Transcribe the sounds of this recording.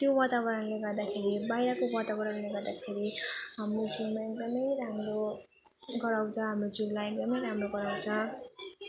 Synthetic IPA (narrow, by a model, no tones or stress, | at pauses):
t̪jowat̪abʌɾʌnleɡʌrd̪akʰeɾibajɾʌkowat̪abʌɾʌnleɡʌrd̪akʰeɾiɦamrod͡zumakdʌmʌjɾamro | ɡʌɾaw̃t͡sʰʌ̃ɦamrod͡zulakdʌmʌjɾamroɡʌɾaw̃t͡sʰʌ̃